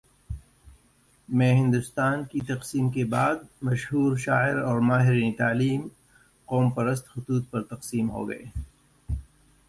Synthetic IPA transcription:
mẽːɦɪ̃nd̪ʊst̪aːnkit̪ɐqsiːmkebaːd̪̚mɐʃɦuːɾʃaːɪɾɔːɾmaːɦɪɾiːnit̪aːliːm | qɔːmpɐɾəst̪xʊt̪uːt̪̚pɐɾt̪ɐqsiːmɦo̰ːɡɐ̰ḛː

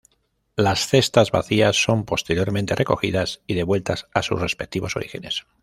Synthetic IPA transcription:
lasθe̞st̪azβa̰θiasːo̞mpo̞st̪e̞ɾjo̞ɾmẽnt̪e̞rʔe̞ko̞xiðasiðe̞βwe̞lt̪asasṵsre̞spek̚t̪iβo̞so̞̰ɾixe̞ne̞s

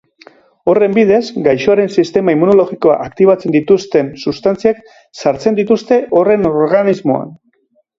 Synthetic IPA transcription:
o̞re̞mbiðe̞zɡajʃoaɾe̞nsist̪e̞maimuno̞lo̞ɣiko̞a̰ʔakt̪iβ̞at͡se̞nd̪it̪ust̪e̞nsust̪ant͡siak | saɾt͡se̞nd̪it̪ust̪e̞ʔo̞re̞no̞ɾɣanizmo̞a̰n

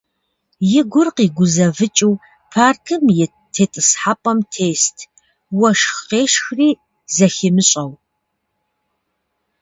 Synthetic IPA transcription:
jɪɡʷʊrqiːɡʷʊzɐvɨt͡ʃʼiw | pʰaːrkʰɨmjɛ | tʰeːtʼɨsħapʼɐmtʰeːstʰ | wɐʂxqeːʂxriː | zɐxɪmɨɕʼɐw

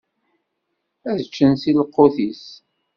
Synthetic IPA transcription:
æðt͡ʃːənsiləqːoθis

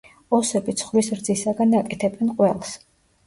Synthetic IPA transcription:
ɔsɛbit̪sʰχlisɾd̪zisaɡanakʼɛt̪ʰɛbɛnqʼwɛlˠs

